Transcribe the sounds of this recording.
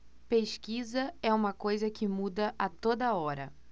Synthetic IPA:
peʃkizɐɛũmɐkojzɐkɪmud̪ɐʔɐt̪od̪ɐɔɾɐ̰

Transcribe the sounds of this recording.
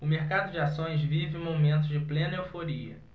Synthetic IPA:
ʊmeɾkad̪ʊd͡ʒɪasõj̃zvivɪẽmomẽnt̪ʊzd͡ʒɪplẽnɐewfoɾiɐ

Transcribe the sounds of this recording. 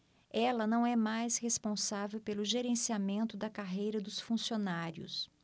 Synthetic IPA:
ɛlɐnɐ̃w̃ɛmajshespõsavewpelʊʒeɾẽsiamẽnt̪ʊd̪ɐkaɦejɾɐd̪ʊsfũsionaɾjʊ̰s

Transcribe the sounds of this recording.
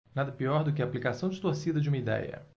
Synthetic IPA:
nad̪ɐpiɔɾd̪ʊkɪaplikasɐ̃w̃d͡ʒɪt̪oɾsid̪ɐd͡ʒɪũmɐid̪ɛ̰jɐ̰

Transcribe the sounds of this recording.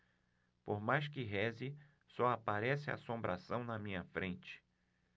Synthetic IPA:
poɾmajskɪɦɛzɪ | sɔapaɾɛsɪa̰asõmbɾʔasɐ̃w̃nɐmĩɲɐfɾẽnt͡ʃɪ̥

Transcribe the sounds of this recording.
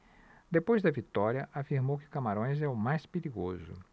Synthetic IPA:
d̪epojzd̪ɐvit̪ɔɾiɐʔafiɾmowkɪkamaɾõj̃zɛʊmajspeɾiɡozʊ̰

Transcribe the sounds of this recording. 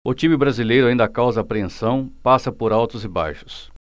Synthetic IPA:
ʊt͡ʃĩmɪbɾazilejɾʊaĩnd̪ɐkawzɐːpɾeẽsɐ̃w̃pasɐpoɾawt̪ʊzɪba̰jʃʊ̥s

